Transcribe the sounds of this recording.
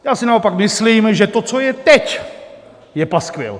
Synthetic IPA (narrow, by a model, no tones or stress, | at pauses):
jaːsɪnaopakmɪsliːmʒɛt̪ot͡sojɛt̪ɛc | jɛpaskʋɛ̰l